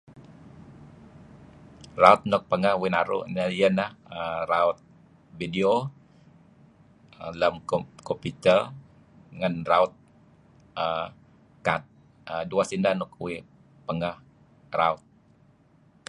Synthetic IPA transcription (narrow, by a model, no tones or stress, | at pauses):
raʊt̪̚nɔk̚pəŋahwinaɾṵnajənahəɾaʊt̪̚ | bidio | ələmkopit̪əl | ŋanraʊt̪̚ | ə | kat̪̚ | əduasindanɔk̚wi | pəŋah | raʊt̪̚